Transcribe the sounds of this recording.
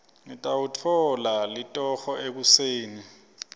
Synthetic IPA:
ŋitʼawutʰɔlalitʼɔxɔek̬useːni

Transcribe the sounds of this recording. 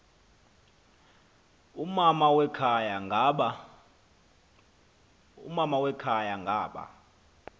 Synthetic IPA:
umamawɛkʰajaŋ | ṵmamawɛkʰajaŋɡʱaːɓa̰

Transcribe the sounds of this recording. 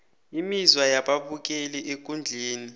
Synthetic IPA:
imizwajaɓaɓuk̬ʼɛlɛʔek̬ʼund͡ɮʱeːni

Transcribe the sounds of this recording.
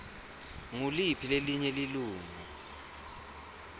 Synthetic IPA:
ŋulipʰileliɲɛliluːŋu

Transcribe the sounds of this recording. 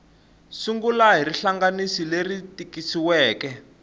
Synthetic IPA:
suŋɡulaɦiriɬaŋɡanisileritikisiwɛːkɛ

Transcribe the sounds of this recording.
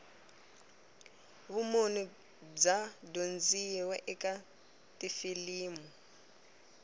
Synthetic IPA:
βumonu | d͡zadond͡ziwɛʔɛkʼa | tʼifiliːmu

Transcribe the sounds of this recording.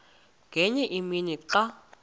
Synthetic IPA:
ɡ̥ʱɛɲɛʔiminiǁa

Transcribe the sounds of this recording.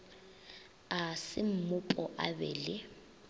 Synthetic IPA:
asɪm̩mʊpʼɔʔa̰bɛːlɪ

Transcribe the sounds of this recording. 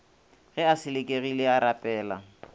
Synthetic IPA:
ɣɛasɪlɪkʼeɣilɪaɾapʼɛːla̰

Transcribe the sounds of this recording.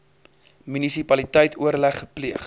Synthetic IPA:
mynisipɐlitəjtʰuəɾlæχːəpliəχ

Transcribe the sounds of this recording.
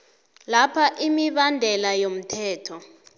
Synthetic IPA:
lapʰaʔimiɓandʱɛlajom̩tʰɛːtʰɔ

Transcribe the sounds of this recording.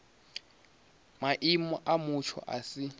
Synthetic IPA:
maʔimɔʔamut͡ʃʰɔ̰ʔa̰si

